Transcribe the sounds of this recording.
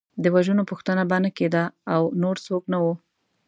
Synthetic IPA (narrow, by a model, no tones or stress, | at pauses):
d̪əwaʒunopuxt̪ənabanaked̪aːwnoɾsoknawu